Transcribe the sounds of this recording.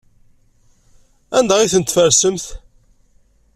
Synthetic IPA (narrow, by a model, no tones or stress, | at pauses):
ænd̪æʁiθənt̪fəɾsəmθ